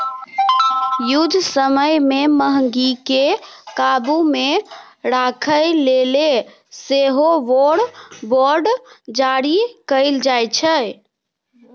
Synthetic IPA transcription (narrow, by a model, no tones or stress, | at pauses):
jud̪ʱsəməjmeməɦəŋɡikekabume | ɾakʰəjlele | seɦoʋoɽboɾɖd͡ʒaɾikəɪld͡ʒajt͡ʃʰə